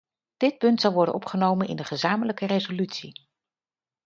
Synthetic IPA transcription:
d̥ɪt̚pɵntsɑlˠʋɔɹdə̰nɔpχənowmənɪ̰ndəχəzaːmələkərejzolytsi

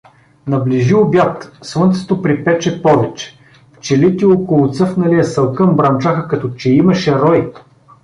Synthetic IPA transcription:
nɐbliʒilˠbjat̪svˠɤnt̪sɛ̥t̪opɾipɛt͡ʃɛpɔvɛt͡ʃɛ̥ | ft͡ʃɛlit̪iokolˠʊt̪sɤfnɐlijɐsɐlˠkəmbɾɐnt͡ʃaxəkɐt̪ɔt͡ʃɛimɐʃɛɾɔj

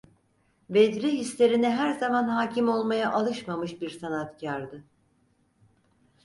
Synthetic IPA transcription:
bed̪ɾiɦislʲe̞ɾinɛɦæɾzamanhaːcʰimo̞lˠmajaʔalˠɯʃmamɯʃbiɾsanat̪cʰaɾd̪ɯ

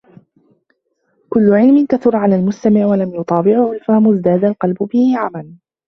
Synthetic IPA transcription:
kʊlːʊʕɪlmɪnkaθʊɾˤʕalaːlmʊst̪amɪʕwalamjʊt̪ˤɑːbɪʕʊhʊlfahmʊzd̪aːd̪alqɑlbʊbɪhɪʕaman

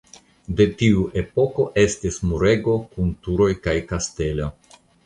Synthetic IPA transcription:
de̞tiuʔe̞po̞ko̞ʔe̞stismuɾe̞ɡo̞kuntuɾo̞jkajkaste̞lo

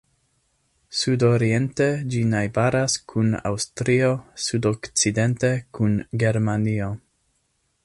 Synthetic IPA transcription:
sudoɾie̞nted͡ʒinajbaɾaskʰuna̰wstɾio̞sudokt͡side̞nte̞kunɡe̞ɾmanio̞

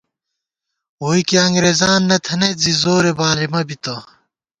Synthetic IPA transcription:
oːikiɐŋɡɾeːzaːnːɐt̪ʰɐnezizoːɾebaːlimɐbit̪o

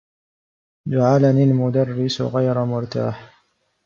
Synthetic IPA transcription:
d͡ʒaʕalaniːlmʊd̪ɑrːɪsɣajɾamʊɾˤt̪a̰ːħ

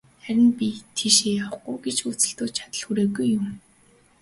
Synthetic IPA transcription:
χæɾʲɪ̆npʲit̪ʰeʃeːjawɡʊjɡet͡ɕut͡sɘ̆ɬt̪oːt͡ɕʰḁt̪ə̆ɮxuɾeːɣujːʊm

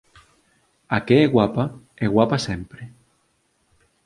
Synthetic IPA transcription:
akeeɣwapa | eɣwapasempɾe

